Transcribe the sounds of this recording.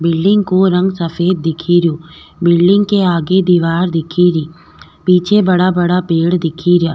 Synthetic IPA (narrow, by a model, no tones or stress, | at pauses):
bɪlɖɪ̃ŋɡkoɾɐ̃ŋɡsɐfeːd̪̚ːɪkʰiɾjoː | bɪlɖɪ̃ŋɡkeaːɡed̪iːʋaːɾd̪ɪkʰiɾiː | piːt͡ʃʰebɐɽabɐɽapeːɽd̪ɪkʰiɾjaː